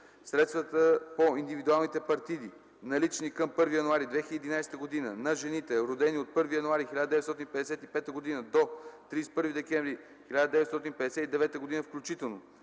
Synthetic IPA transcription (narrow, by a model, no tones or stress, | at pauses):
sɾɛt̪st̪vət̪əpoind̪ivid̪ualˠnit̪ɛpɐɾt̪id̪i | nɐlit͡ʃnikəmpɤɾvijɐnuaɾid̪vɛxʲiləːɛd̪inajst̪əɡod̪inənɐʒɛnit̪ɛɾod̪ɛniot̪̚pɤɾvijɐnuaɾixilʲad̪əd̪ɛvɛt̪sɔt̪ĩnipɛd̪ɛsɛt̪ipɛt̪əɡod̪inəd̪ot̪ɾispɤɾvid̪ɛkɛ̃ɱvɾi | xilʲad̪əd̪ɛvɛt̪sɔt̪inipɛd̪ɛsɛt̪id̪ɛvɛt̪əɡod̪inəfklʲut͡ʃit̪ɛlˠno